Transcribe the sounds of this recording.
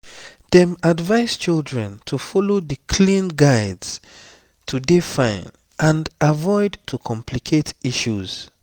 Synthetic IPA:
ð̥ɛ̃madvaɪz̥t͡ʃildɹɛ̃ntʰufɔloðəkʰlĩnɡaɪdz̥ | tʰudefãɪ̃n | ʔãndavɔɪdtʰukʰɔ̃mpʰlikʰetiʃuz̥

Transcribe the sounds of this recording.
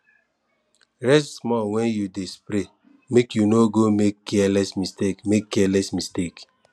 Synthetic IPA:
ɾɛstsmɔwɛ̃njudespɾe | mekjunoɡomekːɛalɛsmistekmekːɛlɛsmistek

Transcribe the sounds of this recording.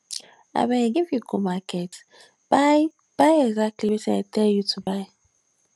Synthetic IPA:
a̰bɛ̃neɡivjukʰomakʰɛt | b̥aɪ | b̥aɪɛɡzak̚tʰliwetĩnatʰɛljutʰubaɪ

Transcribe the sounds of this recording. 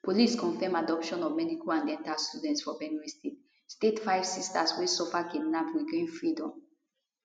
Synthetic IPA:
poliskɔ̃nfɛmadɔpʃɔ̃nɔvmɛdikʰoãndɛ̃ntalstudɛ̃ntsfɔbɛ̃nuistet | stetfajvsistaswesɔfaɡidnabɹiɡẽnfɹidɔ̃m

